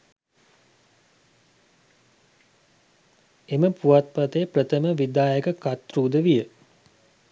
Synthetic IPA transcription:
eməpuʋat̪̚pat̪əjəprət̪əməʋid̪aːjəɡəkat̪ruːd̪əʋijə

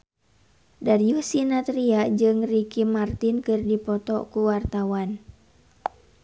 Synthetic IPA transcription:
daɾiusinat̪ɾiad͡ʒɨŋrikimart̪inkɨrdipɔt̪ɔkuwart̪awan

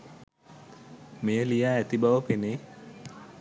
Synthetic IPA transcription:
mejəlijaːæt̪ibaʋəpene

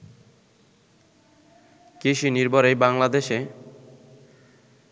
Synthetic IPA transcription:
keʃiniɾbʱɔɾejbaŋlad̪eʃe

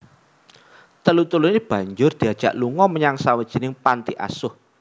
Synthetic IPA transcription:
t̪əlut̪ulinib̥ä̤ɲd͡ʒʊrd̪̥i̤ad̥ʒ̥ä̤ʔluŋɔməɲaŋsawəd̥ʒ̥i̤nɪŋpant̪iʔa̰sʊh

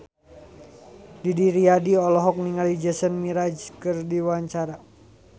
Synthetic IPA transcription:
didiɾiadiɔlɔɦɔk̚niŋalid͡ʒəsənmiɾad͡ʒkɨrdiwaɲt͡ʃaɾa

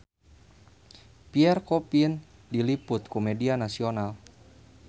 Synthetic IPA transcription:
piɛrkɔpin | dilipʊt̪kɔmɛdianasional

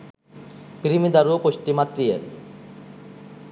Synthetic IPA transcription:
pɾimid̪aɾuopoʃʈimat̪ɾije

